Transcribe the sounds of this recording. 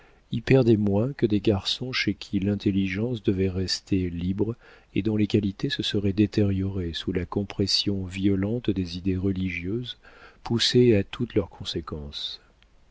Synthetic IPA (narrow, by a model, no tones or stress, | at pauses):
ipɛʁd̪ɛmwɛ̃kəd̪eɡaʁsɔ̃ʃekʲʰilɛ̃t̪eliʒɑ̃sd̪əvɛʁɛst̪ʰelibʁ | ed̪ɔ̃lekalit̪esəsəʁɛd̪et̪ɛʁjɔʁesulakɔ̃pχɛsjɔ̃viɔlɑ̃t̪d̪ezid̪eʁəliʒjøzpuseat̪ʰut̪lœʁkʰɔ̃sekɑ̃s